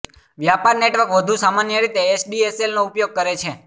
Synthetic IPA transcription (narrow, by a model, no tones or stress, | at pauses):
ʋjapaɾneʈʋəɾkʋəd̪ʱũsamanjəɾit̪eːt͡ʃɖieselnoupjoɡ̚kəɾet͡ʃʰe